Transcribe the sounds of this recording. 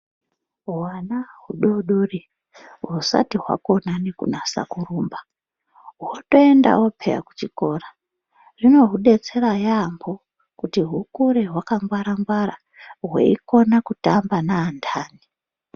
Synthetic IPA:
wanaɦuɗoɗuri | ɦusa̰tiɦwa̰ko̞nanekṵnasa̰kuruːmba | ɦoto̞enda̰wopʰḛja̰ku̥t͡ʃiko̞ːra | rino̞ɦuɗe̞t͡se̞ɾajambo̞ | kutiɦukuɾeɦwakaŋɡwaɾaŋɡwaɾa | ɦwḛiko̞nakutambanaːndʰaːni

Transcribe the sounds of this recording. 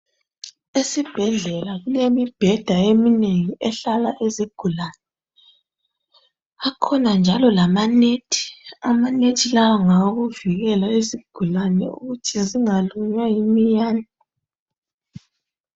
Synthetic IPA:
esib̥ʱɛɮɛlaɣulemib̥ʱɛd̥ʱaemineŋiɛɬalaʔeziɡ̥ʱulanɛ | akʰɔnand͡ʒʱalɔlamanetʰi̥amanetʰilawɔŋaɣuviɣɛlaeziɡ̥ʱulanɛ̰ṵɣutʰiziŋaluɲwajimijaːna

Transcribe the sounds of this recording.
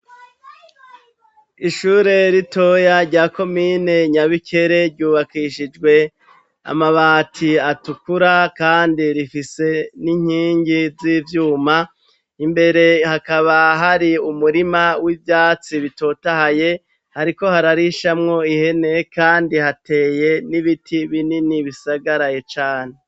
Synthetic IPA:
iʃuːɾe̞ɾito̞jaɾɟaːko̞miːne̞ɲaβikʰe̞ɾe̞ɾɟuːβakiʃid͡ʒɡwe̞ | a̰maβaːtʰiatukuɾakaːndiɾifise̞niɲ̥hiːɲɟiziːvjuːma | imbe̞ɾe̞hakaβaɦaɾiumuɾimawibjaːt͡siβito̞tahaje̞ | haɾiko̞haɾaɾiʃamŋo̞ihe̞ne̞kaːndihatʰe̞ːje̞niβitʰiβininiβisaɡaɾajet͡ʃaːne

